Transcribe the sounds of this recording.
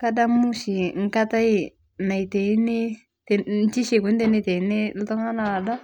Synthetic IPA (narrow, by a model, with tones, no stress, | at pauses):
ka˦da˦mu˦ʃi˨ŋ̩˦ka˦ta˦i˦˨ | na˨i˨te˨i˦ne˦ | tn˦t͡ʃi˦ʃe˨ku˨˦n˦te˦ne˦˨te˨i˦ne˦l̩˦tɔ˦ŋa˦na˨a˨da˦